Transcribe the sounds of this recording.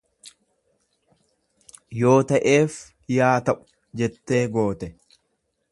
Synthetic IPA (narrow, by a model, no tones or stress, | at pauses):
jo̞ːt̪ɐʔeːf | jaːt̪ɐʔʊ̥ | d͡ʒɛt̪ːe̞ːɡo̞ːt̪ɛ